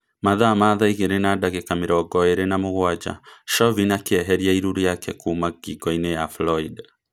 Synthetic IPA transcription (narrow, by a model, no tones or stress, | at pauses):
maðaːmaðaiɣɛɾɛnadaɣɛkamiɾɔɔɡɔɛɾɛnamuɣwad͡ʒa̰ʃɔvinakiɛɦɛɾiaiɾuɾijakɛkuːmaɡiɡɔinɛjaflɔid